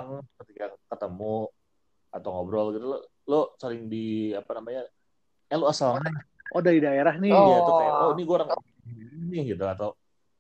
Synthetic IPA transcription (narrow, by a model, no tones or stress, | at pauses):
aŋkət̪ikakət̪əmu | at̪awŋɔbɾɔlɡit̪ulo | losəɾɪŋdiapanamaɲa | jaloasalaaʔodadidaeɾahnɪɔaaloniɡoɾaŋaiinɪhɡadaat̪aw